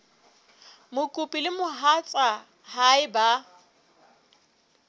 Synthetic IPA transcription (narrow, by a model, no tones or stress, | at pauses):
mʊkʼupʼilɪmʊɦat͡sʼa | haɪba